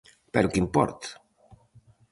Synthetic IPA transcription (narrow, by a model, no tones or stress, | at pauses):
peɾokimpɔ̰ɾt̪